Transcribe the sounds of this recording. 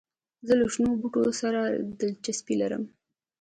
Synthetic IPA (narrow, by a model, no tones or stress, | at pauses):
zələʃnobuʈosaɾad̪ət͡ʃaspilaɾə̰m